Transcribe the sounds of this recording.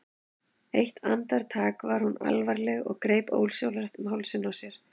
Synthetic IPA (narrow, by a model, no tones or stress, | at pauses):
ejht̪ʰa̰nt̪aɾ̥t̪ʰaːkvaɾ̥huna̰lvaɾlɛɣɔ̰ɣkɾeːjpo̰wlsjowlɾaht̪mɦawlsɪnːawsjɛɾ̥